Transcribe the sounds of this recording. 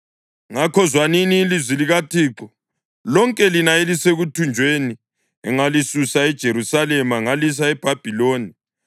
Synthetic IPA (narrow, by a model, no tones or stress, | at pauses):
ŋakʰɔzwaniniːlizwiliɣatʰiːǁɔ | lɔŋkʼɛlinaeliseɣutʰund͡ʒʱweni | ɛŋalisusaɛd̥ʒ̥ʱeɾusalɛmaŋalis̬aɛb̥ʱab̥ʱiloːni